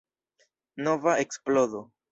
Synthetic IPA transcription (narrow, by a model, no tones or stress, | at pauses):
no̞vaeksplozo